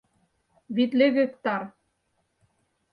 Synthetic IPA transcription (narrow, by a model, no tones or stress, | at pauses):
βit̪leɣɘ̆k̚t̪ɑɾ